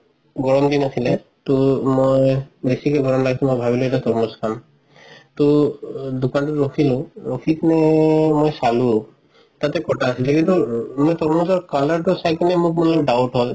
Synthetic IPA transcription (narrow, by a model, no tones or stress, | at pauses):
ɡɔɹɔmdinasilɛ | tʊmojbesikɛɡɔɹɔmlaɡisũmojbʱabilʊɛtatɔɹmɔskʰam | tʊdukantʊɹokʰilʊɹokʰiknɛmojsalu | tatɛkɔtaːsilɛkintumojtɔɹmɔzɔɹkalaɹtʊsajkanɛmʊk̚munlɔkɖawtɦɔj